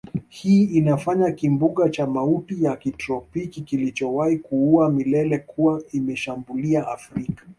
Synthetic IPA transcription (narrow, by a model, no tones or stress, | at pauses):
hiːinafaɲakimbuɠat͡ʃamautijakitɾɔpikikilit͡ʃɔwahikuuamilɛlɛkuwaimɛʃambuliaafɾikḁ